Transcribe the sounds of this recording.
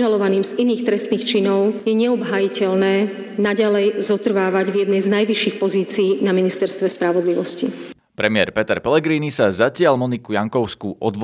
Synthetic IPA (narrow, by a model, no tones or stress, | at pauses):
ʒalɔʋaniːmziniːxt̪ɾɛst̪niːxt͡ʃinɔʊjɛɲɛɔbɦajicɛlnɛː | naɟalɛjzɔt̪r̩ʋaːʋaɟvjɛd̪nɛjznajʋiʃiːxpɔziːt͡siːnaminist̪ɛɾst̪ʋɛspɾaʋɔd̪liʋɔscḭ | pɾɛmɪɛɾpɛt̪ɛɾpɛlɛɡɾiːnisazacɪaʎmɔnikujaŋkɔʊskuːʔɔd̪ʋ